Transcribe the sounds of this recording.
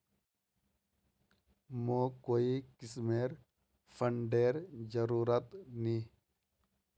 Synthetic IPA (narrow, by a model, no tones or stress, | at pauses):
moːkoːikɪsmeːɾ | pʰəɳɖeːɾd͡ʒəɾuːɾət̪niː